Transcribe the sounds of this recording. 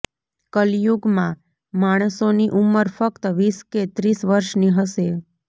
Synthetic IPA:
kəljuɡmã | maɽ̃əsoniʔumːəɾfəkt̪əʋisket̪ɾisʋəɾʃniɦəʃe

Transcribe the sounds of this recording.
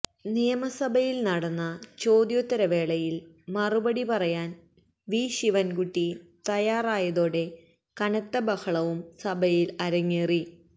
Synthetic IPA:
nijɐmɐsɐbʱɐjilnɐɽɐnːɐt͡ɕo̞ːd̪joːt̪ːɐɾɐʋe̞ːɭɐjil | mɐrubɐɽipɐrɐjaːn | ʋiːɕiʋɐnkuʈːit̪ɐjaːraːjɐðoːɽe̞ | kɐɳɐt̪ːɐbɐhɐɭɐʋumsɐbʱɐjilɐɾɐŋːeːri

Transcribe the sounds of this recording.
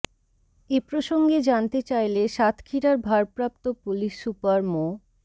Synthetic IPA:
epɾoʃoŋɡed͡ʑant̪et͡ɕajleʃat̪ʰkʰiɾaɾbʱaɾpɾap̚t̪opuliʃːupaɾmo

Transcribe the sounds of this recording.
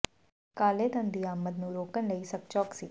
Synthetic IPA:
kaːleːd̪ə̃nd̪iaːmət̪nũɾoːkənləisɐk̚t͡ʃɔːksiː

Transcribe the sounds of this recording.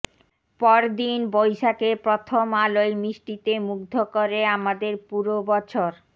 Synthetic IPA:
pɔɾd̪inbojʃakepɾot̪ʰomalojmɾiʃʈit̪emuɡd̪ʱokoɾeamad̪eɾpuɾobɔt͡ɕʰoɾ

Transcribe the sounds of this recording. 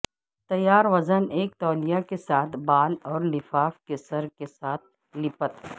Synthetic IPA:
t̪ɐjːaːɾʋɐzəneːk̚t̪ɔːlijakesaːt̪ʰbaːlɔːɾlɪfaːfkesɐɾkesaːt̪̚ʰ | lɪpət̪ː

